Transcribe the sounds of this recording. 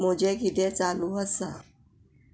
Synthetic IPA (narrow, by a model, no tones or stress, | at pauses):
m̤od͡ʑekit̪et͡saluəsa